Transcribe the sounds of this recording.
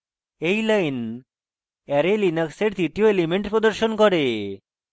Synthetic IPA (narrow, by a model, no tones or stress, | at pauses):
ejlajn | ɛɾelinakseɾd̪it̪ioelimeɳʈpɾod̪oɾʃonkɔɾe